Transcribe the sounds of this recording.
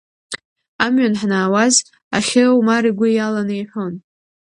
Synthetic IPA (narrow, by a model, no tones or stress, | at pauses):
amɥanħnaːwaz | a̰χʲɪwmaɾiɡʷʊjalanɨjħʷo̞n